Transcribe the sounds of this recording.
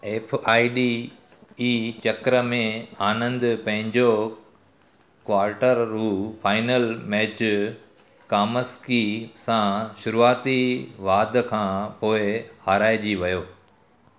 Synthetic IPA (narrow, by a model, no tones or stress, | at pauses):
eːpʰaːiɖi | iːt͡ɕɐkɾəmẽaːnə̃nd̪pɐ̃ɦɪ̃ɲd͡ʑo | kʋaːɾʈəɾːuːfʰaːɪnəlmɛːt͡ɕ | kaːməskisãʃʊɾuaːt̪iʋaːd̪kʰãːpoːɪhaɾaːɪd͡ʑiʋɐjoː